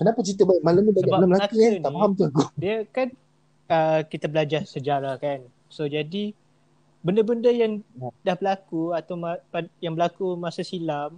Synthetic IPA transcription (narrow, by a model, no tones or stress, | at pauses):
kənapat͡ʃit̪əbaiʔ̚malamɲĩdasəbalaməlakinaaɦamt̪uaɡudiakan | əkit̪abəlad͡ʒarsəd͡ʒaɾahkan | sod͡ʒadi | bəndəbəndəjaŋdahbəlakuat̪awmapajaŋbəlakumasasilam